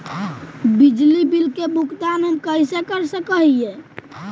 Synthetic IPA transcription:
bid͡ʒlibilkebukd̪anɦəmkəjsekəɾsəkəɦije

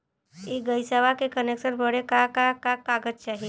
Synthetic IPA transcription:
eɡəjsəʋakekəneksəɾbəɽekakakakaɡət̪̚t͡ʃaɦi

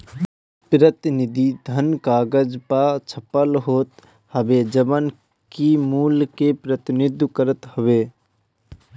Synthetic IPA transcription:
pɾət̪ɪnɪd̪ʱid̪ʱənkaːɡəd͡ʒpat͡ʃʰəpəlɦoːt̪ | həbed͡ʒəbən | kimuːlkepɾət̪ɪnɪd̪kəɾət̪hʊʋeː

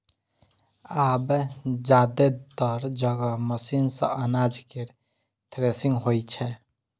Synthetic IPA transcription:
abd͡ʒad̪et̪əɾd͡ʒəɡəməsinsə̰̃ʔənad͡ʒkeɾ | t̪ʰɾesiŋɡɦojt͡ʃʰɛ

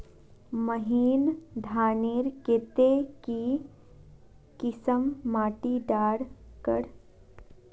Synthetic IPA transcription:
məɦiːnd̪ʱaːniːɾkeːt̪eki | kɪsəmːaːʈiɖaːɽkə̰ɽ

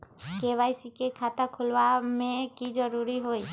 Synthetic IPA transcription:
keʋajsikekʰat̪akʰulʋamẽkid͡ʒəɾuɾiɦoi

